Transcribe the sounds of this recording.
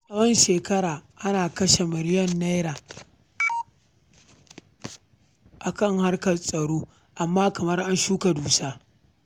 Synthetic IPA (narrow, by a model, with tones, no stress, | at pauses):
sɐ˦wɔ˦nʃeː˨kɐ˦ɽaː˨ʔa˦naː˨kɐ˦ʃe˨mɪ˨ɾɪ˦jɐ˦nːa˦jɾaː˨ | ʔa˨kɐ˦˨ŋha˦rkɐ˨sʼɐ˨ɽoː˦ | ʔa˨mːaː˦kɐ˨mɐ˦rʔa˦nʃuː˦ka˨duː˨saː˦